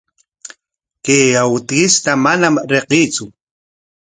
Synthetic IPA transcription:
keawut̪ɣist̪amanamaɾeqit͡su

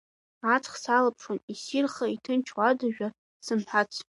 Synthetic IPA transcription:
at͡sʰχsalapʰʂonisirχaitʰɨnt͡ʃʰwadaʒᶣa | sɨmħʷat͡sʷʰ

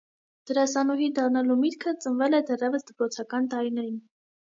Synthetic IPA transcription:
d̪̥əɾɑsɑnuɦind̪ɑrnɑlumit̪kʰət͡sənvɛlɛd̪ɛrɛvəsd̪əpɾɔt͡sʰɑkɑnt̪ɑɾinɛɾin

